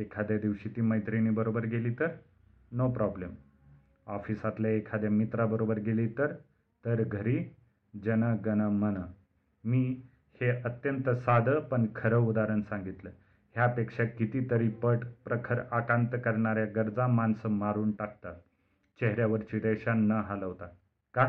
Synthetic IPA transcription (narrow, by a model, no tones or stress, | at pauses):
ekʰad̪jad̪iʋɕit̪iːməjt̪ɾiniːbəɾobəɾɡeliːt̪əɾ | nopɾɔblem | ɔfisat̪laekʰad̪jamit̪ɾabəɾobəɾɡeliːt̪əɾ | t̪əɾɡʱəɾiː | d͡ʑənəɡənəmənə | miː | heət̪jənt̪əsad̪ʱəpəɳkʰəɾəud̪aɾənsãŋɡit̪lə | hjapekʂakit̪iːt̪əɾiːpəʈpɾəkʰəɾakãnt̪əkəɾɳaɾjaɡəɾd͡zãmansəmaɾuːnʈak̚t̪at̪ | t͡ɕeɦɾjaʋəɾt͡ɕiːd̪ɛɕanːəɦaləʋt̪a | ka